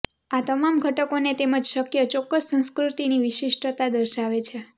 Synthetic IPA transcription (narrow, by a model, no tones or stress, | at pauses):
at̪əmamɡʱəʈəkonet̪eməd͡ʒʃəkjət͡ʃɔkːəssə̃nskɾut̪iniʋiʃiʃʈət̪ad̪əɾʃaʋet͡ʃʰe